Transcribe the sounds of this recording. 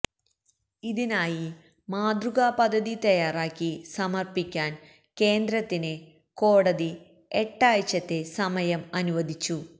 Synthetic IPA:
iðinaːji | maːd̪ruɣaːpɐd̪ʱːɐðit̪ɐjaːraːkʲːisɐmɐrpikʲːaːn | ke̞ːnd̪ɾɐt̪ːine | ko̞ːɽɐði | eʈːaːjt͡ɕːɐt̪ːe̞sɐmɐjɐmɐnuʋɐd̪ʱit͡ɕːu

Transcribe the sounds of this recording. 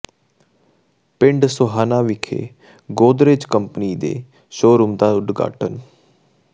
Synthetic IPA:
pɪɳɖsʊɦaːnaːʋɪkʰḛː | ɡoːd̪ɾed͡ʒkəmpniːd̪ḛː | ʃoːɾʊmd̪aːʊɖɡa̰ːʈən

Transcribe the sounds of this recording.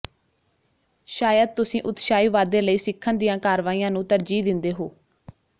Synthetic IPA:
ʃaːjəd̪̚t̪ʊsĩːʔʊt̪ʃaːiːʋaːd̪eːləiːsɪkʰːənd̪ɪjãːkaːɾʋaːiːjãːnũːt̪əɾd͡ʒiːd̪ɪnd̪eːɦoː

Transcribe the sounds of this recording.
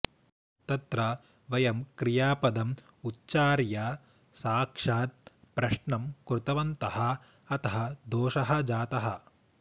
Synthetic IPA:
t̪ɐt̪ɾɐ | ʋɐjɐmkɾijaːpɐd̪ɐm | utːt͡ʃaːɾja | saːkʂaːt̪̚pɾɐʂɳɐmkɾut̪ɐʋɐnt̪ɐɦɐ̆ | ɐt̪ɐɦɐd̪oːʃɐɦɐ̆d͡ʒaːt̪ɐɦɐ

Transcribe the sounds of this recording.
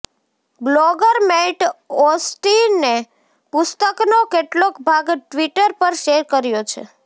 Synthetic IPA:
bloɡəɾmeʈɔsʈiːe | pʊst̪əknokeʈlokbʱaɡʈʋiʈəɾpəɾʃeɾkəɾjot͡ʃʰḛ

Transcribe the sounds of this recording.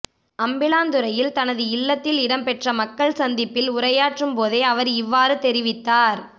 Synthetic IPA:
ɐmbɪlaːnd̪ɯɾɐjɪlt̪ɐnɐðɯɪlːɐt̪ːɪlɪɽɐmpɛʈrɐmɐkːɐɭsɐnd̪ɪpːɪlʊɾɐjaːʈrɯmpoːðeːɐʋɐɾɪʋːaːɾɯt̪ɛɾɪʋɪt̪ːaːɾ

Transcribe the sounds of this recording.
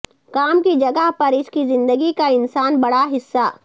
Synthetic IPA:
kaːmkid͡ʒɐɡəɦpɐɾɪskizɪ̃nd̪əɡikaɪnsaːnbɐɽaɦɪsːaː

